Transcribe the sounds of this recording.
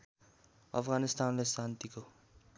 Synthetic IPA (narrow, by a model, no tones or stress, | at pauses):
ʌ̰pʰɡanist̪anlesant̪iko